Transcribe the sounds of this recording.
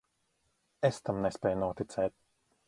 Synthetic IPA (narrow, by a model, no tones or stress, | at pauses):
est̪amnespɛːjnuɔt̪it̪sɛːt̪̚